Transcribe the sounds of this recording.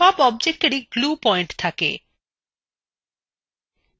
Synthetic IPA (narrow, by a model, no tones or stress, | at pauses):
ɔbɔb̚d͡ʑek̚ʈeɾiɡlupɔjɳʈt̪ʰakḛ